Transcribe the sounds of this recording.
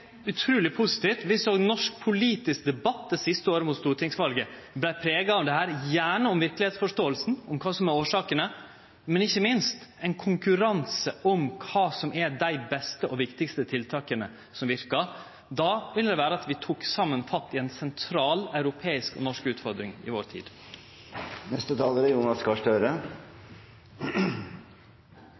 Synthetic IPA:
ʉt̪ʰɾʉːlɪpʰuːsɪ̥t̪ʰift̪ʋɪsoːɡnɔʂk̚pʰʊliːt̪ɪskd̪ɛbɑt̪ːəsɪst̪əoːɾəmʊt̪st̪uːʈ̪ʰɪŋsʋɑlɡə | blæɪpʰɾeːɡɑɔmd̪ɛhæːɾjæːɳəɔmʋɪɾklɪeːt̪sfɔʂt̪oːəlsn̩ɔmkʰɑːsɔmɛɾoːʂɑːkənə | mɛnɪçːəmɪnst̪ɛɪnkʰʊŋkʉɾɑnsəɔmkʰɑːsɔmʔɛdæɪbɛst̪əʔɔʋɪkt̪ɪkst̪ət̪ʰɪlt̪ʰɑːkənə | sɔmʋɪɾkə | d̪ɑːʋɪld̪ɛʋæːɾəɑt̪ʋɪt̪ʰuːksɑmːənfɑt̪ːɪɛnsɛnt̪ʰɾɑːlɑʉɾʊpʰeːɪskɔ̰nɔʂkʉːt̪fɔɾd̪ɾɪŋɪ̰ʋo̰ːɾt̪ʰḭːd̪̥ | nɛst̪ət̪ʰɑːləɾəjuːnɑskɑʂʈøːɾə

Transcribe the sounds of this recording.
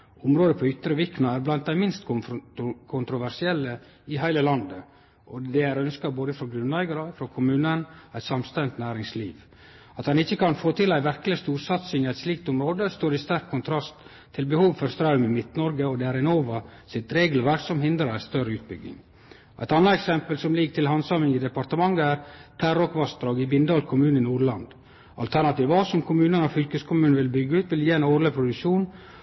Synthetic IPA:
ʊmɾoːd̪əpʰɔʏt̪ːɾəʋɪknɑæɾblɑnt̪̚d̪æɪmɪnst̪ʊkʰʊnt̪ɾʊʋæɾʂɪɛlːə | ɪɦæɪləlɑnd̪ə | ɔd̪ɛæɾœnskɑboːd̪əfɾɔɡɾʉnæɪɡɑɾəfɾɔkʰʊmʉːnənæɪt̪sɑmst̪ɛnt̪næːɾɪŋsliːʋ | ɑt̪hɑnɪçːəkʰɑnfoːt̪ʰɪlæɪʋæɾkəlɪəst̪uːɾsɑt̪sɪŋæɪt̪sliːkt̪ʊmɾoːd̪əst̪oːɾɪst̪æɾkʰːʊnt̪ʰɾɑst̪ʰː | ɪlbəhuːʋfɔɾst̪ɾɑʉmɪmɪt̪nɔɾɡəɔd̪ɛæɾɪnoːʋəsɪt̪ɾeːɡəlʋæɾksɔmhɪnd̪ɾəɾæst̪œɾəʉːt̪̚bʏ̰ɡɪ̰ŋ | ʔæɪt̪ɑnːəɛksɛmpəlsɔmlɪɡəʈ̪ʰɪlɦɑnsɑmɪŋɪd̪ɛpɑɾt̪əmɑŋːəæɾt̪ʰæɾɔkʋɑst̪ɾɑːɡɪbɪnd̪ɑːlkʰʊmʉːnɪnuːɾɭɑnd̪ | ɑ̰lt̪ʰæɾnɑt̪iːʋɑːsɔmkʰʊmʉːnənɔfʏlkəskʰʊmʉːnʋɪlbʏɡːəʉːt̪ʋɪljiːɛnoːɾləpʰɾʊd̪ʉkʂuːn

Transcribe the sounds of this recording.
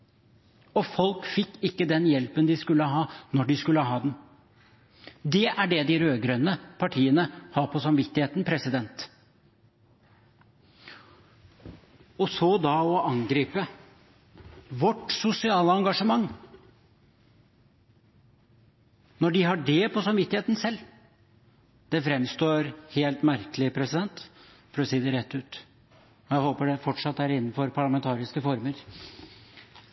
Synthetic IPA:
ɔfɔlkfɪkːɪkːəd̪ɛnjɛlpənd̪ɪskʉlːəɦɑːnɔɖɪskʉlːəɦɑːd̪n | d̪ɛʔæɖɛd̪ɪɾøːɡɾœnːəpʰɑʈʰiːənəhɑːɾpʰɔsɑmʋɪt̪ːɪheːt̪npʰɾɛsɪd̪ɛnt̪ | ɔsɔd̪ɑɔɑŋɡɾiːpə | ʋɔʈːsʊsɪɑːləɑŋɡɑʂəmɑŋː | nɔɖɪɦɑɖɛpʰɔsɑmʋɪt̪ːɪheːt̪n̩sɛlː | d̪̥ɛfɾɛmst̪oːɾheːlt̪mæɾkəlɪpʰɾɛsɪd̪ɛnt̪ | fɔɾɔsiːd̪ɛɾɛt̪ʰːʉːt̪ | ɔjæɪhoːpəɖɛfɔʈʂɑt̪ːæɾɪnːənfɔɾpʰɑɭɑmɛnt̪ʰɑːɾɪskəfɔɾməɾ

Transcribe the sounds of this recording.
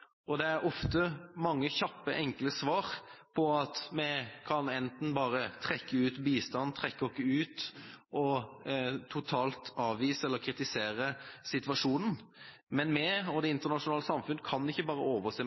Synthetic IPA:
ʔɔd̪ɛæɾɔft̪əmɑŋːəçɑpːəʔɛŋkləsʋɑːɾpʰɔɑt̪mɛkʰɑnɛnt̪n̩bɑːɾət̪ʰʁɛkːəʉːt̪biːst̪ɑnt̪ʰʁɛkːəɔkːəʉːt̪ɔ | t̪ʰʊt̪ʰɑːlt̪ɑːʋʋiːsəɛlːəɾkʰɾɪt̪ɪseːɾəsɪt̪ʋɑʂuːnn̩ | mɛnmɛɔd̪ɛɪnt̪əʁnɑʂʊnɑːləsɑmfʉnəkʰɑnːɪçːəbɑːɾəoːʋəseː

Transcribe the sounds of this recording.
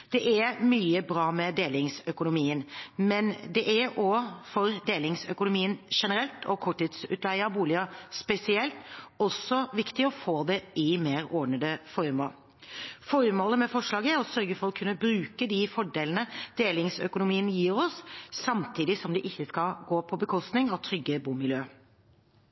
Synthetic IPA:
d̪̥ɛʔæmyːəbɾɑːmɛd̪eːlɪŋsœkʊnʊmiːənmɛnd̪ɛʔæɾɔfɔɾd̪eːlɪŋsœkʊnʊmiːənʂɛnəɾɛlt̪ʰɔkʰɔʈːiːt̪sʉ̰ːt̪ʰlæɪəɑbuːlɪəspɛsɪɛlt̪ɔsːɔʋɪkt̪ɪɔfoːd̪ɛʔɪmeːɾɔɳəd̪əfɔɾmoːl | fɔɾmoːləmɛfɔʂɭɑːɡəæɾɔsœɾɡəfɔɾɔkʰːʉnəbɾʉːkəd̪ɪfɔɖeːlənəd̪̥eːlɪŋsœ̰kʊnʊmiːənjiːɾɔssɑmt̪ʰiːd̪ɪsɔmd̪ɛʔɪçːəskɑɡoːpʰɔbəkʰɔst̪nɪŋɑʋt̪ʰɾʏɡːəbuːmɪljøː

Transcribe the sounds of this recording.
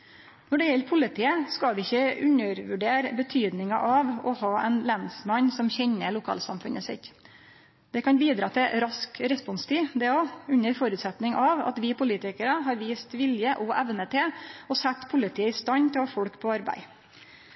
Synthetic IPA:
nɔɖɛjɛlɾpʰʊlɪt̪ʰiːəskɑʋɪɪçːəʉɲəɾʋʉɖeːɾbət̪ʰyːd̪nɪŋɑ̰ʔɑʋɔhɑːɛnlænsmɑɲsɔmçɛɲːəɭʊkʰɑ̰ːlsɑ̰mfʉ̰nəsɪ̰t̪ | d̪̥ɛkʰɑnbiːd̪ɾɑːt̪ʰɪɾɑskɾɛspɔnst̪ʰiːd̪ɛoʉɲːəɾfɔɾʉːt̪sɛt̪nɪŋʔɑʋɑ̰t̪ʋɪpʰʊliːt̪ɪkəɾəɦɑɾʋiːst̪ʋɪljəʔɔʔæʋnət̪ʰɪlɔsɛt̪ːpʰʊlɪt̪ʰiːəɪst̪ɑnt̪ʰɪlɑfɔɽkpʰɔɑɾbæ̰ɪ

